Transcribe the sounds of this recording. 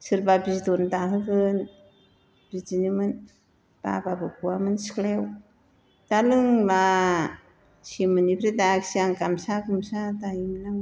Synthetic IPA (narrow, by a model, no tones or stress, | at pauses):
sɯɾpapist̪ont̪akɯkɯn | pit͡sinimɯn | pa̰papakuamɯnsklɛw | t̪alɯŋba | simɯnipʰɾet̪aksiaŋkamsakumsat̪aimnaŋ